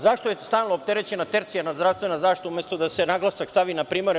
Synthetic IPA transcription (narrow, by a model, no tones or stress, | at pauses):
zaʃt̪ojest̪aːlˠnoop̚t̪eɾet͡ɕe̞nat̪eɾt̪sijanazd̪ɾafst̪ʋe̞nazaːʃt̪it̪oumjest̪od̪asenaɡlˠasakst̪aʋinapɾiːmoɾ